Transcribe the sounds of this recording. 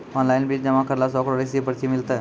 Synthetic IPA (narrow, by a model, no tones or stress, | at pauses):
ɔnlainbiːʈ̚d͡ʑəʋãkəɾlas̬ɔkoɽisipəɾt͡ɕimilt̪ə